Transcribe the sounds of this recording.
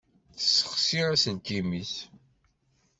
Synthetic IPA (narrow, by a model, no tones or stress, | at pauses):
θə̥sːə̥χsiɾasənt̪imiθ